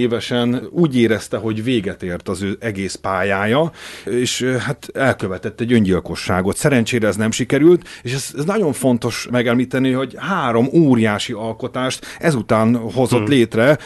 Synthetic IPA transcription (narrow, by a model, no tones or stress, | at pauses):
eːvɛʃɛnuːɟeːɾɛst̪ɛɦo̞ɟveːɡɛt̪eːrt̪ɒzøːʔɛɡeːspaːjaːjɒeːʃhat̪ɛlkøvɛt̪ɛt̪ːɛɟøɲɟilko̞ʃːaːɡo̞t̪sɛɾɛnt͡ʃeːɾɛːznɛmʃikɛɾylt̪eːʃɛzɛznɒɟo̞ɱfo̞nt̪o̞ʃmɛɡɛmliːt̪ɛniho̞ɟhaːɾo̞moːɾijaːʃiɒlko̞t̪aːʃt̪ɛzut̪aːnho̞zo̞t̪leːt̪rɛ